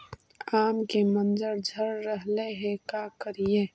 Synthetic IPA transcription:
aːmkemə̃nzəɾd͡ʒʱəɾːəɦleɦɛkakəɾijeː

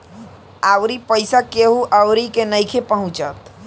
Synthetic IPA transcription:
awɾipəɪsakeɦuʔawɾikenəjkʰepəɦũt͡ʃət̪

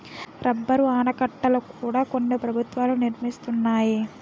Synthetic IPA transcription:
ɾɐbːɐɾuaːnɐkɐʈːɐlukuːɽaːkonːepɾɐbʱut̪ʋaːluniɾmist̪unːaːji

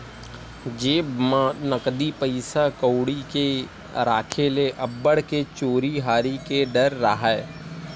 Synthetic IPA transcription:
d͡ʒeːmnəkd̪ipəɪsakəʊɽike | ɾaːkʰeleʔɐbːəɽket͡ʃoːɾiɦaːɾikeɖəɾːaɦaɛ

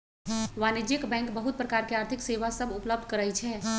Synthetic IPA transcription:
ʋanid͡ʒekbɛ̃ŋkbəɦut̪̚pɾəkaɾkeaɾt̪ʰikseʋasəbupləb̚d̪ʱkəɾɛjt͡ʃʰɛ

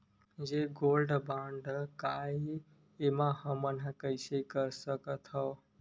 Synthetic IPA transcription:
d͡ʒeɡolɖbãɳɖka | emãɦəmənkəɪsekəɾsəkət̪ɦɔ

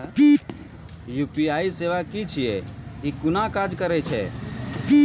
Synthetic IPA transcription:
juːpiaːiseːʋakit͡ʃʰijɛikʊnakad͡ʒkəɾɛt͡ʃʰɛ

